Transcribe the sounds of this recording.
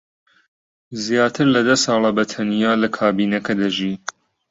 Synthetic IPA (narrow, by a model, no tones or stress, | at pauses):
zjaːt̪ʰɨɾlɐd̪ɐsɑːlˠɐbɐt̪ʰɐnijaːlɐkʰaːbiːnɐkɐd̪ɐʒiː